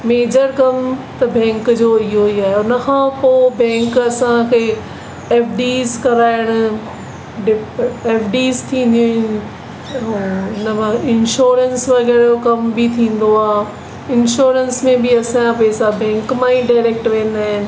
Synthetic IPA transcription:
meːd͡ʑəɾkɐmt̪ɐbɛ̃ːŋkd͡ʑoːɪɦoiaːɦeʊnə̆kʰãːpoːbɛ̃ːŋkɐsãkʰeː | ɛːfɖiːzkɐɾaːɪɽ̃ʊ̆ | ɖɪeːfɖiːzt̪ʰĩːn̆d̪iũ | ʊnəmãɪ̃nʃoːɾənsʋɐɣɛːɾokɐmbɪt̪ʰĩːn̆d̪oaːɦ | ɪnʃoːɾənsmẽbɪɐsãapɛːsabɛ̃ːŋkmãĩɖaɪɾeːk̚ʈʋẽːnd̪aːɦɪnɪ̆

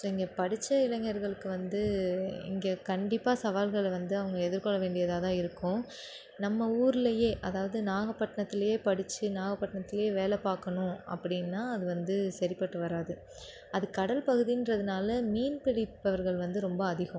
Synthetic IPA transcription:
soːɪŋɡepɐɽɪt͡ʃːɐɪlɐŋːɐɾɣɐɭɯkːɯʋɐnd̪ɯɪ̰ŋɡeːkɐɳɖɪpːaːsɐʋaːlɣɐɭʋɐnd̪ɯɐʋɐŋɡɐɛðɯɾkɔɭːɐʋeːɳɖɪjɐðaːðãːɪɾɯkːʊ̃ | nɐmːɐuːɾɪlɐjeːʔɐðaːʋɐðɯnaːɣɐpːɐʈːɐɳɐt̪ːɪlɐjeːpɐɽɪt͡ʃːɯnaːɣɐpːɐʈːɐɳɐt̪ːɪlɐjeːʋeːlɛpːaːɾkɐɳʊ̃ʔɐ̰pːɐɽɪnːaːɐðɯʋɐnd̪ɯsɐɾɪpːɐʈːɯʋɐɾaːðɯ | ɐðɯkɐɽɐlpɐɣɯðindrɐðɯnaːlɐmiːnpɪɽɪpːɐʋɐɾɣɐɭʋɐnd̪ɯɾɔmbɐːðɪɣʊ̃

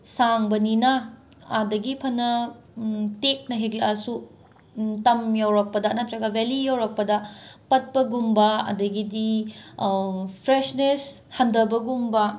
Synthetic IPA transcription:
saŋbɐninɐ | adɐɡipʰɐnɐ | tek̚nɐɦeklɐasu | tɐmjawɾɐk̚pɐdɐnɐt̪ʰɾɐɡɐbelijawɾɐk̚pɐdɐpɐt̚pɐɡumbɐɐ̰dɐɡidi | pʰɾesneshɐndɐbɐɡumbɐ

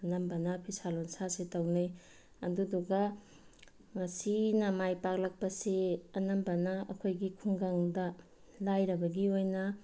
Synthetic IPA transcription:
ɐnɐmbɐnɐpʰisalonsasetawnɯj | ɐ̰duduɡa | ŋɐsinɐmajpak̚lak̚pɐseɐnɐmbɐnɐɐ̰kʰojɡikʰuŋɡaŋdɐ | lajɾɐbɐɡiojnɐ

